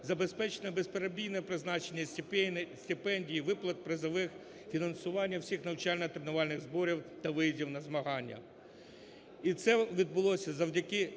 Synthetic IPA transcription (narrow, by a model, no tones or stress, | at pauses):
zɐbe̞spɛt͡ʃenɛbespeɾɐbʲijnɛpɾɪznɑt͡ʃenʲːɐ | sʲt̪ʲɪpɛnʲdʲijiʋɪplˠɐt̪̚pɾɪzɐʋɪx | fʲinɐnsʊʋɑnʲːɐwsʲixnɐwt͡ʃɑlʲnɐt̪ɾenʊʋɑlʲnɪɣzbɔɾʲiwt̪ɐʋɪjizʲiwnɐzmɐɦɑnʲːɐ̰ | it̪sɛʋʲid̪̚bʊlˠɔsʲɐzɐwdʲɐkɪ